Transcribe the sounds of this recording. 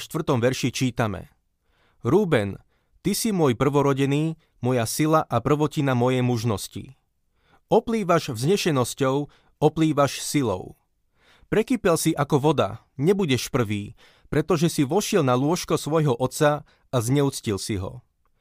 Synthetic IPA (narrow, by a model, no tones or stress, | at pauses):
ʃt̪ʋr̩t̪ɔmʋɛɾʃit͡ʃiːt̪amɛ̰ | ɾuːbɛn | t̪isimʊɔjpr̩ʋɔɾɔɟɛniː | mɔjasilaʔapr̩ʋɔcinamɔjɛmuʒnɔscḭ | ɔpliːʋaʒvzɲɛʃɛnɔscɔʊ | ɔpliːʋaʃsilɔ̰ʊ | pɾɛkipɛlsiʔakɔʋɔd̪a̰ | ɲɛbuɟɛʃpr̩ʋiː | pɾɛt̪ɔʒɛsiʋɔʃɪɛlnalʊɔʃkɔsʋɔjɦɔʔɔt̪t͡sa | azɲɛut͡scilsiɦɔ̰